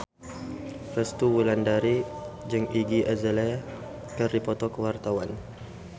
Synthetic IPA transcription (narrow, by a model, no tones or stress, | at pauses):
fɛst̪uwulandaɾid͡ʒəŋiɡiʔəzəlɛ | kərdipɔt̪ɔkəwart̪awan